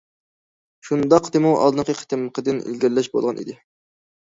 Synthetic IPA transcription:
ʃund̪ɑqʰt̪ɨmuʔɑ̰lˠd̪ɨnqəqʰə̥t̪ɨmqʰəd̪ɨnḭlɡʲɛɾlːɛʃbo̰lˠʁɑnʔḭd̪ɪ

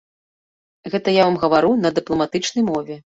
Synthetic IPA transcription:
ɣɛt̪ɐjavamɣɐvaɾunɐd̪ɨplˠɐmat̪ɨt͡ʂnɐjmɔvʲɛ

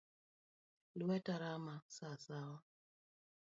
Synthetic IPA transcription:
luɛtaɾamasasawa

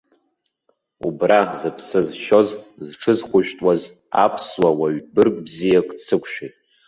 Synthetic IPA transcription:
ubrazɨpʰsɨzʃo̞zzʈ͡ʂʰɨzχʷʊʒᶣtʼwaz | a̰pʰswawaɥbɨrɡbzijakʼt͡sʰɨkʷʰʼʃᶣejtʼ

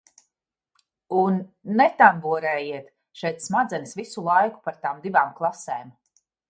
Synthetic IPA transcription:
unːɛt̪ambuɔɾɛːjiɛt̪ | ʃɛjt̪smad̪zɛnisvisulˠajku̥paɾt̪aːmd̪ivaːmklˠaseːm

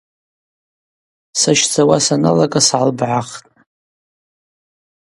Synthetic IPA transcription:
saʃt͡sʰawasana̰lakʼasʕalbʕaχtʼ

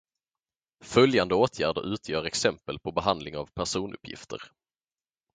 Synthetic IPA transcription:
fœljand̪əoːt̪ʰjæːɖə̰ɾʔʉ̟ːt̪ʰjœːɾɛksɛmpəlpʰɔbɛɦand̪lɪŋavpʰæʂuːnʔɵ̰pʰːjɪ̰ft̪ə̰ɾ

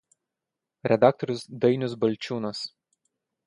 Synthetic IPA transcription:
ɾʲɛd̪ɑːˑk̚t̪ɔɾʲʊsd̪ɐɪnʲʊsbɐlʲˑt͡ʃʲuːnɐs

